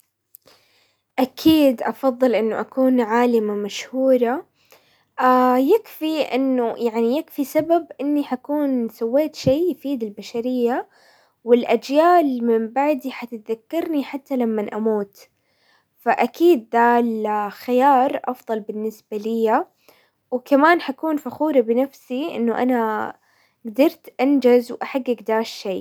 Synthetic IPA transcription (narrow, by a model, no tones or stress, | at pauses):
ʔakʰiːd̪ʔɑfɑðˤːɨlʔɪnːʊʔakuːnʕaːlɪmamaʃhuːɾˤa | ʔajɪkfiʔɪ̰nːʊjʔaʕnijɪkfisababʔɪnːiħakuːnsawːeːt̪ʃiːjfiːd̪ɪlbaʃaɾɪjːa | wɪlʔad͡ʒjaːlmɪmbaʕd̪iħat̪ɪt̪ðakːɑɾˤniħat̪ːalamːanʔamuːt̪ | faʔakiːd̪̚ːalxɪjɑːɾˤʔɑfðˤɑlbɪnːɪsbalɪjːa | wkamaːnħakuːnfaxuːɾɑbɪnafsiʔɪ̰nːʊʔa̰na | ɡd̪ɑɾˤt̪ʔand͡ʒazwʔaħaɡːaɡd̪ɑːʃʃeː